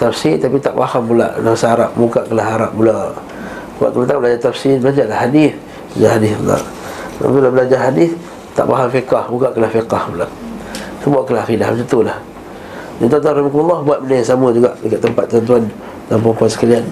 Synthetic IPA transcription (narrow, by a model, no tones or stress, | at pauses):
t̪afsilt̪apit̪aʔpahamːula̰ʔnaŋsaɾaʔmuɡaʔkəlaɦaɾaʔ̚bulaʔ | bua̰ʔkəmənt̪ablad͡ʒat̪afsilbəlad͡ʒalahadif | bad͡ʒahadɪθbula̰ʔ | a̰pilabəlad͡ʒaɦadɪθ | t̪a̰ʔpa̰ɦamfikahmuɡaʔkəlahfiqɑhbulaʔsəbaʔkəlahaxidahməs̬ət̪ulah | d̪ant̪uant̪uanɾrimakumalːɑhbuat̪̚mənajsaməd͡ʒuɡaʔdəkat̪ːəmpat̪̚ːuant̪uan | jaŋpəmpuansə̥kalian